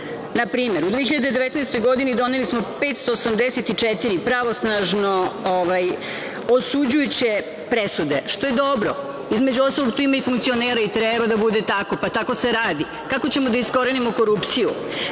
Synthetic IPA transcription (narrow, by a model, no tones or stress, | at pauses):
napɾiːmeɾud̪ʋeːçiʎad̪ed̪eʋet̪naːst̪o̞jɡo̞d̪inid̪o̞nelismopet̪st̪o̞ːsamd̪eset̪it͡ʃɛt̪iɾipɾaʋo̞snaʒnooʋaj | osud͡ʑujut͡ɕe̞ | pɾesud̪e̞ʃt̪o̞je̞d̪obɾo | izmed͡ʑuost̪alo̞ɡt̪uimaifuŋkt̪sioneːɾait̪ɾebad̪abud̪e̞t̪ako̞pat̪ako̞seɾaːd̪i | kako̞t͡ɕe̞mod̪aisko̞ɾenimoko̞ɾupt̪siju